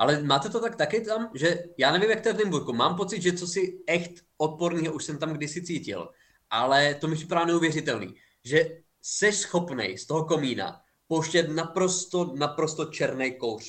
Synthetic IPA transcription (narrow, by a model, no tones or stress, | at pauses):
ʔalɛmaːt̪ɛt̪ot̪ak̚t̪akɪt̪amʒɛjaːnɛvimjakt̪ːɛvnɪmbuɾkumaːmpot͡sɪd̪ʒɛt͡sosɪɛxt̪ʔot̪̚po̞ɾniːɦoʔuʃsɛmt̪amɡdɪsɪt͡siːcɪ̰l | ʔalɛt̪omɪprɪ̥paɾaːnɛuvjɛrɪt̪ɛlnḭː | ʒɛ | sɛʃsxo̞pnɛ̰jst̪oɦoko̞miːna̰ | powʃcɛt̪napɾo̞st̪onapɾo̞st̪o̞t͡ʃɛɾnɛjkowr̝̥